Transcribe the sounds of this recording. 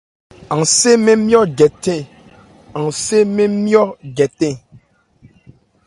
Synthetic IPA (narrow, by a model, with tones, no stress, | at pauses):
ã˨ŋse˦mẽ˦mj̃ɔ˦ɡɛ˨t̪ɛ̃˦˨ | ã˨ŋse˦mẽ˦mjɔ˦ɡɛ˨t̪ɛ̃˦˨